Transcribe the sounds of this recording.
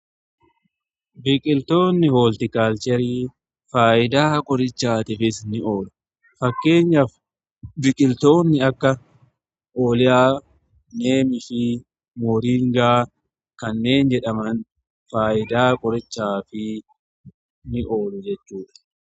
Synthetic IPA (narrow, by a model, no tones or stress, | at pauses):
bɪkʼɪlt̪o̞ːnːɪhoːlt̪ɪkaːlt͡ʃɛɾiː | faːjɪd̪aːkʼɔɾɪt͡ʃːaːt̪ɪfɪsnɪʔo̞ːlʊ | fɐkːe̞ːɲːɐ | bɪkʼɪlt̪o̞ːnːɪɐkːɐ | ʔoːlɪjaː | ne̞ːmɪfɪ | moːɾiːŋɡaː | kɐnːe̞ːnd͡ʒɛᶑɐmɐn | faːʔɪd̪aːkʼɔɾɪt͡ʃːaːfɪ | nɪʔo̞ːlʊd͡ʒɛt͡ʃːuːᶑɐ̥